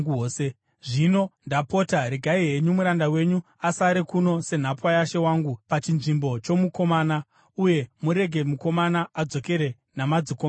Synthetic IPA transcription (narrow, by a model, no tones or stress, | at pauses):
oːse | ʐino̞ndapo̞taɾeɡʱaiɦe̞ɲumuɾandawe̞ɲu | asaɾekuno̞se̞n̤apwajaʃe̞waːŋɡupat͡ʃinʐimbo̞t͡ʃo̞muko̞maːna | uje̞muɾe̞ɡʱe̞muko̞manaad͡zo̞ke̞ɾe̞ | namad͡zikoma